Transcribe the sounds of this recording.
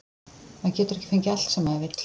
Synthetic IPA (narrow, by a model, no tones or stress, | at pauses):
macɛːt̪ʏɾɛhcɪ̥fejɲcɪal̥t̪sɛmaðvɪt̪l̥